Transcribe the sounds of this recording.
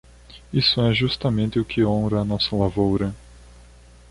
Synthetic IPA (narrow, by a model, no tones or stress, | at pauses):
isʊɛʒust̪ɐmẽnt̪ɪʊkʰɪõɾɐːnɔsɐlavowɾɐ